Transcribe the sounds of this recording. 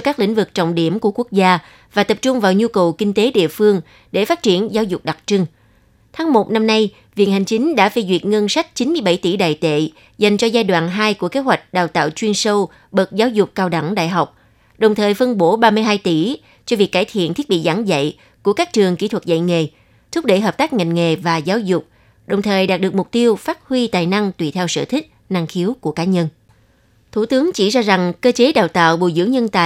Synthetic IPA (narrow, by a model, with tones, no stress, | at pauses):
kaː˦˥klḭ˧˥ŋ̟vɨ˨˩k̚t͡ɕɔ̰˧˨wŋ͡mɗi˧˩əmku˧˩əku˦˥ək̚zaː˧ | vaː˨˩t̪ə˨˩p̚t͡ɕʊ˧ŋ͡mvaː˨˩wɲu˧kə˨˩wkï˧ŋ̟t̪e˨˦ɗḭ˧˨əfɨ˧əŋ | ɗe˧˩faː˦˥t̚t͡ɕi˧˩ənzaː˨˦wzʊ˨˩k͡p̚ɗa˨˩k̚t͡ɕɨ˧ŋ | t̪ʰaː˨˦ŋmo˨˩t̚na˧mna˧j | vḭ˧˨ənha˨˩ŋ̟t͡ɕï˨˦ŋ̟ɗa̰ː˧˥fe˧zwḭ˨˩ət̚ŋə˧nsa˦˥k̟̚t͡ɕi˨˦nmɨ˧əjɓa˧˩jt̪i˧˩ɗa̰ː˨jt̪ḛ˧˨ | za˨˩jŋ̟t͡ɕɔ˧zaː˧jɗwa̰ː˧˨nɦaː˧jku˧˩əke˨˦ɦwa˨˩jk̟̚ɗaː˨˩wt̪a̰ː˧˨wt͡ɕwi˧ənsə˧w | ɓə˨˩t̚zaː˨˦wzʊ˨˩k͡p̚kaː˧wɗa˧˩ŋɗa̰ː˧˨jɦa˨˩wk͡p̚ | ɗə˨˩wŋ͡mt̪ʰəː˨˩jfə˧nɓo˧˦ɓaː˧mɨ˧əjɦaː˧jt̪i˧˩ | t͡ɕɔ˧vi˨˩əkːaː˧˩jt̪ʰḭ˧˨ənt̪ʰi˦˥t̚ɓḭ˧˨zaː˧˩˦ŋzə̰˧˨j | ku˧˩əkaː˦˥k̚t͡ɕɨ˨˩əŋki˧˥t̪ʰwə˨˩t̚zə̰˧˨jŋḛ˨˩ | t̪ʰʊ˦˥k͡p̚ɗḛ˧˩ɦəː˨˩p̚t̪aː˦˥k̚ŋa˨˩jŋ̟ŋe˨˩vaː˨˩zaː˨˦wzʊ˨˩k͡p̚ | ɗə˨˩wŋ͡mt̪ʰəː˨˩jɗaː˨˩t̚ɗɨ˨˩ək̚mʊ˨˩k͡p̚t̪i˧əwfaː˦˥t̚hwi˧t̪aː˨˩jna˧ŋt̪wi˧˩t̪ʰɛ˧wsɨ̰ː˧˨t̪ʰï˦˥k̟̚na˧ŋxi˨˦əwku˧˩əkaː˨˦ɲə˧n | t̪ʰu˧˩t̪ɨ˨˦əŋt͡ɕi˧˩zaː˧za˨˩ŋkəː˧t͡ɕe˨˦ɗaː˨˩wt̪a̰ː˧˨wɓo̰˧˨zɨ̰˧˥əŋɲə˧nt̪a̰ː˧˨